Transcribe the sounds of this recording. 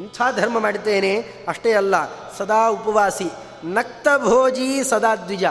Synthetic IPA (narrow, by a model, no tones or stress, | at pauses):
ɐnt̪ʰaːd̪ʱɐɾmɐmaːɽit̪eːne | ɐʂʈeːɐlːɐ | sɐd̪aːupɐʋaːsi | nɐk̚t̪ɐbʱoːd͡ʒiːsɐd̪aːd̪ʋid͡ʒɐ